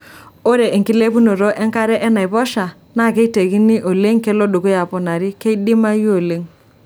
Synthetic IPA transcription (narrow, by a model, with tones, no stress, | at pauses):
o˦ɾe˨ʔe˨ŋki˦le˦pu˦no˨ɾo˦ʔɛ˦ŋka˦ɾɛ˦ʔɛ˦na˨i˨βɔ˦ʃa˨ | na˦˨ke˦i˦te˨ki˦ni˦ʔo˨le˦ŋke˦lo˦ɗo˨ku˦ja˨pɔ˨na˨ɾi˦ke˦i˦di˦ma˦jo˨le˦ŋ